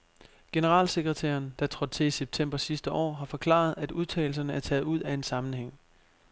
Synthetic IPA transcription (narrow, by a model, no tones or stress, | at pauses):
ɡ̥e̝nəʁɑ̰̈ːlseɡ̥ʁɛt͡sʰæ̰ːɐnd̥ɑ̈t͡sʰʁɒ̽d̥̚t͡sʰe̝iseb̥̚t͡sʰem̰b̥ɐsisd̥əʔɒ̰ːɦɑ̈fɒ̽kʰlɑ̰̈ːð̞̩ˠæd̥uðˠt͡sʰɛ̰ːl̩s̬ɐnəæɐt͡sʰɛːð̞ˠuð̞̰ˠæe̝nsɑ̈mn̩heŋ̰